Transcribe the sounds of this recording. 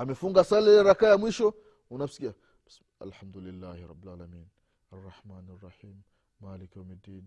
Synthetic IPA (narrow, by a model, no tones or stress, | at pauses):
amefuŋɡasaleɾakajamwiʃo | unafskia | s | a̰lħamd̪ulilːahiɾɑ̰bːilaːlamiːn | arˤːɑħmaːnarːɑħiːmː | aːlikamidiːn